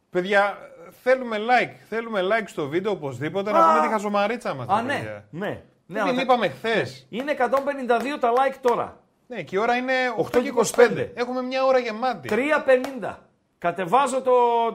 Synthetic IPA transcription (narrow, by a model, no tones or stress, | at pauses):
pe̞ðʝɐθe̞lume̞lɐjkθe̞lume̞lɐjkst̪o̞vid̪eoːpo̞zðipo̞t̪̬enɐnet̪ixɐso̞mɐɾit͡sɐmɐsɐnneɐ̰ne̞̰ | neɐlmipɐmexθesine̞ːkɐt̪o̞mbe̞nind̪ɐðio̞t̪ɐlɐjkt̪o̞ɾɐ̰ | necio̞ɾɐine̞oxt̪oikosi̥pend̪ḛe̞xume̞mɲɐo̞ɾɐʝemɐt̪it̪ɾiɐpe̞nind̪ɐ̰ | kɐt̪e̞vɐzo̞t̪o̞